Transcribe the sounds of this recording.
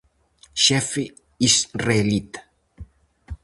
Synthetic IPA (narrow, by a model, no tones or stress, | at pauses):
ʃɛfi | isrelit̪